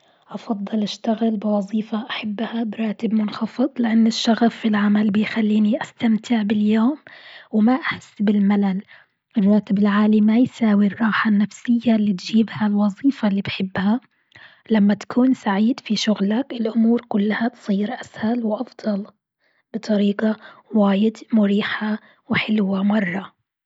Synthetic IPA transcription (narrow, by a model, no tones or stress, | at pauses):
ʔɑfɑd̪ˤːɨlʔaʃt̪aɣɪlbɪwɑzˤiːfaʔaħabːhabɾˤɑːt̪ɪbmʊnxɑfɨd̪ˤlɪʔanːɪʃːaɣafːilʕamalbɪjxalːiːniʔast̪amt̪ʰɪʕbɪljoːmwmaʔaħsːbɪlmalal | ʔɪrˤːɑːt̪ɪbɪlʕaːlimajsaːwirˤːɑːħanːafsɪjːalːit̪ʒiːbhalwɑzˤiːfalːiːbħɪbːha | lamːat̪ḁkʰuːnsaʕiːd̪fiʃʊɣlakɪlʔʊmuːɾkʊlːhat̪sˤiːɾʔashalwʔɑfd̪ˤɑl | b̥ɨt̪ˤɑɾiːqawaːjɪd̪mʊɾiːħa | wħɪlwamɑrˤːɑ